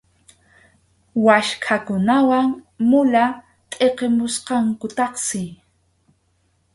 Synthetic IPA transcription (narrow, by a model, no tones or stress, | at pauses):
waʃkʰakʊnawaŋ | mʊla | t̪ʼeqemʊsqɑŋkʊt̪ɑχsɪ